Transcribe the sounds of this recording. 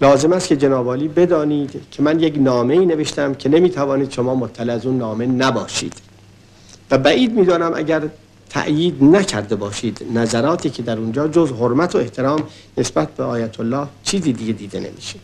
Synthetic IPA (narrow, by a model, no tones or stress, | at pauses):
lɒːze̞mæst̪̚cʰe̞d͡ʒe̞nɒːbɒːliːbe̞d̪ɒːniːd̪cʰe̞mænjeknɒːme̞iːne̞ve̞ʃt̪æmcʰe̞ne̞miːt̪ʰævɒːniːd̪̥ʃomɒːmot̪ʰːæleæzuːnːɒːme̞næbɒːʃḭːd̪̥ | væbæʔiːd̪̚miːd̪ɒːnæmʔæ̰ɟæɾ | t̪ʰæ̰ʔjiːd̪næcʰæɾd̪e̞bɒːʃiːd̪næzæɾɒːt̪ʰiːcʰe̞d̪æɾuːnd͡ʒɒːd͡ʒozɦoɾmæt̪ʰoeht̪ʰe̞ɾɒːm | ne̞sbæt̪̚beɒːjæt̪ʰolːɒːht͡ʃʰiːziːd̪iɡe̞d̪iːd̪e̞̰nḛmḭːʃed̪̥